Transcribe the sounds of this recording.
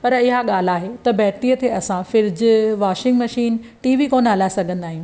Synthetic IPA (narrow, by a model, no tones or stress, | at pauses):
pɐɾɪɦaɠaːl̤aːɦet̪ɐbɛːt̪iːət̪ʰeɐsãfɪɾd͡ʑʋaːʃɪ̃ŋɡmɐʃiːn | ʈiːʋikoːnɦɐlaːɪsɐɡʱə̃nd̪aːɦijũː